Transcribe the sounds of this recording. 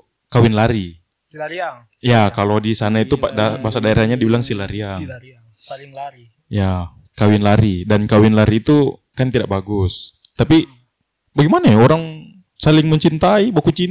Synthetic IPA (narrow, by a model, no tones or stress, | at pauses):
kawɪnlaɾi | jakalodisanait̪upadabaasadaeɾahɲadibilaŋsilaɾiaŋ | ja | kawɪnlaɾidankawɪnlaɾiːt̪ukant̪idaʔ̚baɡʊs | t̪api | baɡimanajaoɾaŋ | salɪŋməɲt͡ʃint̪aibakut͡ʃin